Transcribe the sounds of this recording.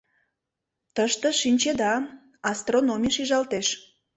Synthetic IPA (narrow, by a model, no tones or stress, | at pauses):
t̪əʃt̪əʃinʲt͡ɕed̪ɑ | ɑst̪ronomʲiʃiʒɑlt̪eʃ